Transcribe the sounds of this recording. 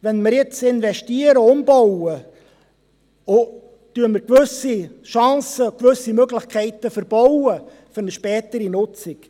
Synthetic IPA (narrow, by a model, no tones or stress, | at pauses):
vɛnməɾjɪt͡sɪnvɛʃtiəɾəʊmb̥ɔwə | o | tyːəməɾkʋɵsiʃɑ̃ːsəkvʏsimøɡlɪχkʰɛɪtəfəɾb̥ɔwə | fɵɾnəʃpɛːtəɾinʊt͡sɪk